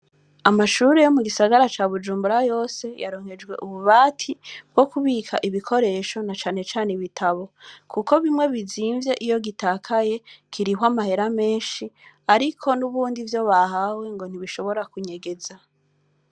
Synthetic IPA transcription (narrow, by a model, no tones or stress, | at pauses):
amaʃuːɾe̞jo̞muɡisaɡaɾat͡ʃaːβud͡ʒuːmbuɾajo̞ːse̞ja̰ɾo̞ːŋhe̞d͡ʒɡwe̞̰ʔuβuβaːtʰib̥̚ɡ̥o̞kuβiːkʰa̰ʔiβikʰo̞ɾe̞ʃo̞nat͡ʃaːnet͡ʃaːneβitʰaβo̞kʰuko̞βimŋe̞βiziːɱvje̞ʔijo̞ɡitaːkʰaje̞kʰiɾihwamahe̞ɾame̞ːnʃi | aɾikʰo̞nuβuːndivjo̞βahawe̞ŋɡo̞n̥iβiʃo̞βo̞ɾakuɲe̞ɡe̞za